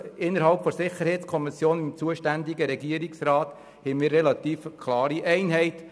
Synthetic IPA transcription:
ɪnːəɾɦɑlpfɔɾsɪχəɾhɛɪt̪skʰɔmɪsjoːnɪmt͡suəʃtænd̪ɪɡəɾɛɡiəɾiksɾɑːt̪ | hɛmɪːɾːɛlɑt̪iːfkʰlɑːɾiʔɛɪnɦɛɪt

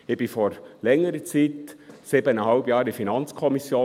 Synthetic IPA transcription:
ɪb̥ifɔɾlɛŋːəɾət͡siːt̪sibənəhɑlbjɑːɾdifinɑnt͡skʰɔmisjoː

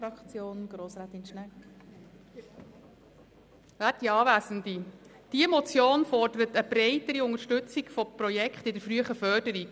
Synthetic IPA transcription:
ɾɑkt͡sjoːnɡ̥ɾoːsɾaːt̪ɪnʃnɛ | ʋæːt̚iɑːʋæːsən̩di | d̥iəmɔt͡sjoːnfɔrd̥əɾətəbɾeɪtəɾiʊŋəɾʃtɵt͡siɡfɔprɔjɛkχtɪdəɾfɾyəχəfœd̥əɾik

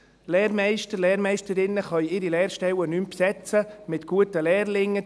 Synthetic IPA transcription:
lɛːɾmɛɪʃtəɾlɛːɾmɛɪʃtəɾɪnːəχœjɪɾilɛːɾʃtɛwənympsɛt͡səmɪtɡ̥uətəlɛːrlɪŋːə

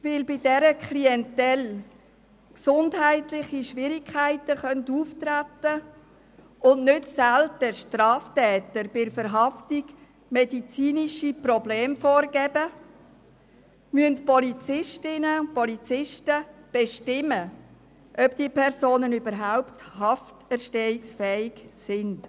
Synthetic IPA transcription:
vɪlbɪdɛɾəkχliɛntɛl | ksʊndɦæɪtlɪχiʃʋɪɾikʰːæɪtəχœntuːftratə | ʊndnʏtsælt̚d̥ɛʃtrɑːftɛːtəɾb̥ɪfəɾɦɑftiɡ | mɛdit͡siːniʃiprɔbleːmfoːrɡɛbə | myəntpɔlit͡sɪʃtɪnəpɔlit͡sɪʃtəb̥eʃtɪmə | ʔœbd̥iːpʰɛɾsoːnənybəɾɦaʊpthɑftɛɾʃtɛiksfɛːɪɡsɪnd̥

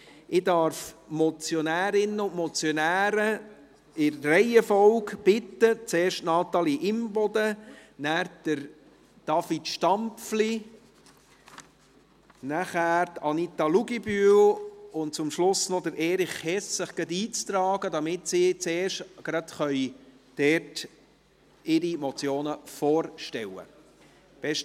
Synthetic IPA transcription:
ʔɪdɑɾfmɔt͡sjɔnæːɾɪnːəʊntmɔt͡sjɔnæːɾə | ɪɾːɛɪjəfɔwɡb̥ɪt̪ːət͡seːɾʃtnɑːt̪ɑːliʔɪmbɔd̪ənæːɾd̥əɾ | d̥ɑfitʃtɑmfli | næχæːɾt̪ɑnit̪ɑluɡibylʊntt͡sʊmʃlʊsnɔd̪əɾʔɛːɾɪχhɛssɪχɡ̥ɛt̪iːt͡st̪ɾɑːɡəd̪ɑmɪt̪sit͡seːɾʃtɡ̥ɾɑt̪χœʏ | d̥ɛɾt | ɪɾimɔt͡sjoːnəfoːɾʃtɛwə̰ | b̥ɛʃ

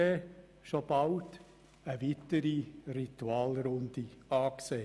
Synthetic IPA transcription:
e | ʃob̥ɑlt | əʋitəɾirituɑːlɾʊnd̥̪iɑːkseː

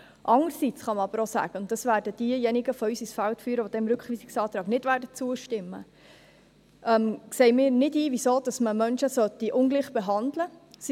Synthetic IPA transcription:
ʔɑŋəsit͡sχɑməɑb̥əɾosæ̰ːɡ̥əʊntd̥ɑsvæːɾdəd̥iəjɛniɡəfɔyːsisfæltfyːɾəʋod̥̪ɛmɾɵkχʋiːsiksɑːt̪ɾɑːɡnɪtʋæːdət͡suəʃtɪmːə | ʔɛmksɛɪmɪːɾnɪdiːʋisoːd̥ɑsməmœnʃəsœtiʔʊnɡliːχb̥eɦɑndləs

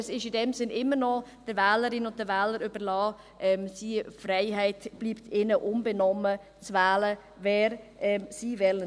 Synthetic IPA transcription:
ɛsɪʃɪdɛmsɪnʔɪmːəɾnɔd̥əɾvɛːləɾɪnʊnt̚d̥əvɛːləɾybəɾlɑː | ʔɛmsiːfraɪɦaɪtb̥liːptʰɪnəʔʊmbɛnɔmə | t͡svaːlə | vɛːɾɛsiːvɛlə

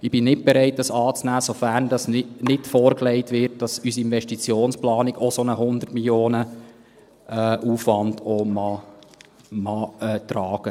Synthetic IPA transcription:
ɪb̥ɪnɪt̚b̥ɛɾɛɪt̚d̥ɑsɑːt͡snæːsofærndɑsnɪtfoːɾklɛɪtʋɪɾt̚d̥ɑsysiɪnvɛʃtit͡sjoːnsplɑːnikosonəɦʊnd̪ərtmiljoːnə | ɛʔuːfʋɑndoːmɑ | mɑɛt̪ɾɑːɡ̥ə

